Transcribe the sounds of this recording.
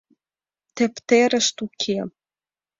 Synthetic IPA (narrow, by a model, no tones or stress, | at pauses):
t̪ĕpt̪eɾə̆ʃt̪ukʲʰe